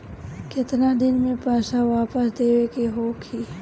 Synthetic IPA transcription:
kɪt̪nãːd̪ɪnmẽpaːʃaʋaːpəsd̪eːʋekeɦoːkʰiː

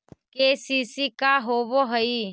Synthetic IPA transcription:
keːsiːsikaɦoːʋoːɦəi

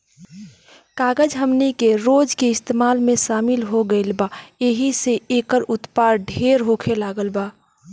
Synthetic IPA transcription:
kaːɡəd͡ʒɦəmnikeɾoːd͡ʒkeɪst̪eːmaːlmẽʃaːmɪlɦoɡəɪlbaːeɦiseeːkəɾʊt̪paːɾɖʱeːɾɦokʰelaːɡəlbaː

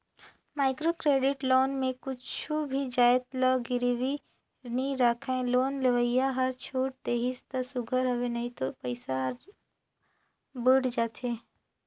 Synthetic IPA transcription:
maːɪkɾoːkɾeːɖɪʈloːnmẽkʊt͡ʃʰubʱid͡ʒaːjt̪lɔɡɪɾiwi | niɾaːkʰẽloːnləʋəjjaɦɐɾt͡ʃʰoːʈ̚t̪eːɦɪst̪ɐsʊɡʱəɾɦɐʋenɐɦĩt̪opəɪsaɾ | bəːɽd͡ʒaːt̪ʰeː

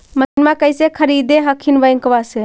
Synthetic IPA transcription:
mənmakəjsekʰəɾid̪eɦəkʰinʋəjŋkəʋase

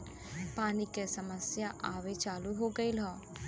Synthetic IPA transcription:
paːnikesɐməsjaʔaːʋet͡ʃaːluɦoɡəilɦɔ̃ː

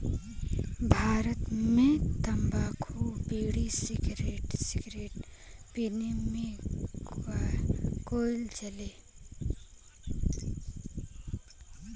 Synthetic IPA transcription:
bʱaːɾət̪mẽt̪ɐmbaːkʰubiːɽisiɡɾeːʈsiɡɾeːʈ̚pinimẽ | akoːilt͡ʃəleː

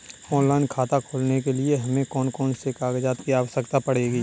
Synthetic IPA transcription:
ɔ̃ːnlaːɪnkʰaːt̪akʰoːlnekelieɦɐmẽkɔːnkɔːnsekaːɡd͡ʒaːt̪kiaːʋəʃəkt̪apɐɽ̤eːɡiː

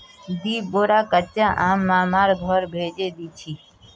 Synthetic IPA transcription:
d̪iːboːɾaːkət͡ʃːaːʔaːmːãːmaːɾɡʱɔɾbʱeːd͡ʒeːd̪iːt͡ʃʰiː

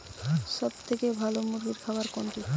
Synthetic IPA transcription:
ʃɔb̚t̪ʰekebʱalomuɾɡiɾkʰaoaɾkoɳʈi

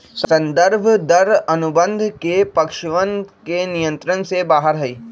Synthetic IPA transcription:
ssɐ̃nd̪əɾbʱd̪ɐɾɐnʊbə̃nd̪ʱkepɐkʃʋənkenijə̃nt̪ɾənsebaːɦəɾɦɐiː

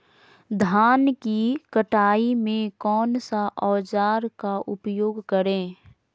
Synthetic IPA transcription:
d̪ʱaːnkikəʈaːimẽkɔːnsaʔɔːd͡ʒaːɾkaʔʊpjoːɡkəɾẽː

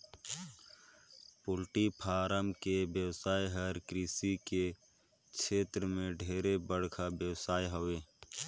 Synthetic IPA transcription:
pʊlʈipʰaːɾəmkebjəwsaːjɦəɾkɾiːsike | kʃeːt̪ɾəmẽɖʱeːɾebəɽ̤kʰabjəwsaːjɦoʋeː

